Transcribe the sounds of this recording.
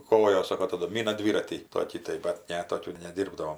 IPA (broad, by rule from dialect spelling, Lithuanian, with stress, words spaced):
ˈkoːjoːs ˈsoːkoː tɐˈdʊ ˈmʲiːnɐ ˈdʲʋʲiːrɐtʲiː ˈtoːkʲiː tɐɪ bɐt ˈnʲɛ ˈtoːkʲuː nʲɛˈdʲiːrbdɐʋoːm